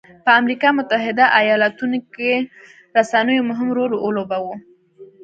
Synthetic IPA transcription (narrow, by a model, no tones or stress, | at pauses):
pəamɾikɑmʊt̪aɦɪd̪aʔajɑlat̪unoke | ɾasanəjomʊɦɪmɾoɾoolobawo